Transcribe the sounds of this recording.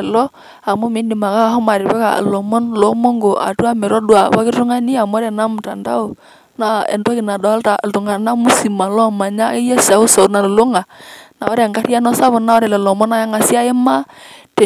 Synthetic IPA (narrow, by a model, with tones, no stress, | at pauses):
lɔ˦ | a˨mʊ˦mɪ˨˦ndi˨ma˨ka˦a˦ɦɔ˦ma˨ɾɪ˨bɛ˦ka̰˨lɔ˨mɔ˦nlo˨˦mɔ˦ŋɡo˨ʔa̰˨tu˦a˦mɛ˨ɾɔ˦dwa˨pa˦kɪ˦ɾtʊ˦ŋa˦ni˦a˨m˦ɔ˦ɾa˨na˦mu˨ta˨nda̰˦o˨ | na˦ɛ̰˨ndɔ˦kɪ˨na˨da˨˦lta˨ltu˨ŋa˨na˦mu˦si˨ma˨lɔ˦˨ma˨ɲa˦ɪ˦ja˦sa˨˦ʊ˦sa˨ʊ˨na˨llo˦ŋa˨na̰˨ɔ˦ɾa˨ŋɡa˦ɾja˦nɔ˦sa˦βʊ˨na˦ɔ˦ɾɛ˨lɛ˨lɔ˨mɔ˦na˦ja˦ŋa˨si˦a˦ɪ˦ma˦tɛ˨